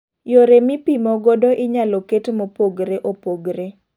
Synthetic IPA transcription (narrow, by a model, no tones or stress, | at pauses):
joɾemɪpimɔɡɔdoʔɪɲalɔketmopoɡɾeʔopoɡɾe